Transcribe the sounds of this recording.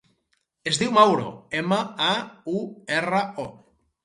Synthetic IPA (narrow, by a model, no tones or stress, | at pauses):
ezðiwmawɾo̰emaauerəo